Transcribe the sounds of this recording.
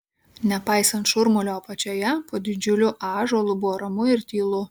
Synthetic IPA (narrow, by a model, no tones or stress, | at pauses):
nʲɛpɑɪsɐnt̪ʃʊɾmʊlʲoːpɐt͡ʃʲoːjɛpoːd̪ʲɪd͡ʒʲʊlʲʊʔɑːʒoːlˠʊbʊʋoːɾɐmʊɪɾt̪ʲiːlˠʊ